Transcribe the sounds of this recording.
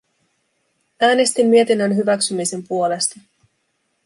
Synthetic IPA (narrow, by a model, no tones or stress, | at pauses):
æːne̞st̪imːie̞t̪inːənɦyʋæksymise̞mpuo̞le̞st̪ɑ